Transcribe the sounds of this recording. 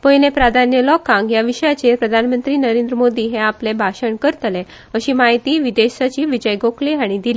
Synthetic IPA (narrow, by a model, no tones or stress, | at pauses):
pəjnẽpɾad̪ʱanjəlɔkãŋɡjaʋiɕəjat͡ɕepɾəd̪ʱanmənt̪ɾiːnəɾend̪ɾəmod̪iːɦɛ̃aplebʱaɕəɳkəɾt̪lẽ | əɕiːmaɦjt̪iːʋid̪esat͡ɕiːʋid͡ʑəjɡokleaɽ̃id̪ili